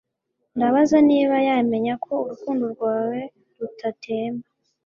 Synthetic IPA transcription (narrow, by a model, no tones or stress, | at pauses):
ndaβazaniːβajame̞ɲakʰo̞uɾukuːnduɾɡwaːwe̞ | ɾutʰatʰe̞ːmba